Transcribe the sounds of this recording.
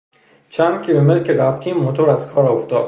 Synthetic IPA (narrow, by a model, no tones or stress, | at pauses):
t͡ʃʰænd̪̥kʰʲilomelkʰeɾæft̪ʰiːmːot̪ʰoɾæzkʰɒːɾɒoft̪ɒːd̪̥